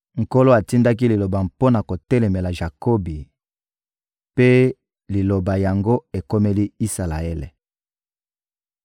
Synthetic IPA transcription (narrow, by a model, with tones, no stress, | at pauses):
ŋ̩˨ko˦lo˦a˨ti˦nda˦k̬i˦li˨lo˨ba˨mpo˦na˨ko˨tɛ˦lɛ˨me˨la˨ʒa˨ko˦bi˨ | pe˦ | li˨lo˨ba˨ja˨ŋɡo˦e˨ko˦me˦li˦i˦sa˨la̰˨ɛ˦lḛ˨